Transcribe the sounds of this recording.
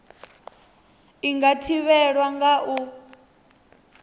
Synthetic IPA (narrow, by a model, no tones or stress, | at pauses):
iŋɡatʰiβɛɺwaŋɡaʔu